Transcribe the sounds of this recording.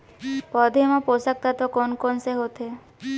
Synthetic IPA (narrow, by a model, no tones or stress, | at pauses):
pɔd̪ʱemaposak̚t̪at̪ɔkɔnkɔnseɦot̪ʰe